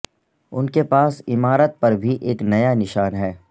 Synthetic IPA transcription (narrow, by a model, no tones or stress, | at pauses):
ʊnkepaːsɪmaːɾət̪̚pɐɾbʱiʔeːknɐjanɪʃaːnɦɛː